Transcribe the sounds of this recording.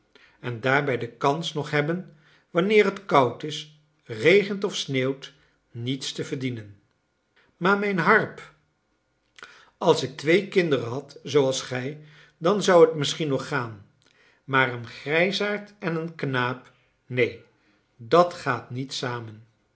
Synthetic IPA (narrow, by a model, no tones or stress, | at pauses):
ɛndaːɹbɛjdəkɑnsnɔχɦɛbən | ʋɑnɪːrɦətkʌwtɪs | rejχəntɔfsneːwt | nitstəvəɹdinən | maːɹmɛjnɦɑɹp | ɑlˠsɪk̚tʋejkɪndərəɦɑtzowɑlˠsχɛj | dɑnzʌwətmɪsχinɔχːaːn | maːrənχrɛjsaːɹtɛnənknaːp | nej | dɑtχaːtnitsaːmən